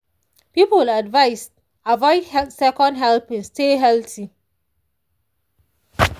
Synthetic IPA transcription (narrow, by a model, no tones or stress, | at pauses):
pipəladvaɪst | avɔɪdhɛsɛkɔ̃nɦɛlpɛ̃nsteɦɛlti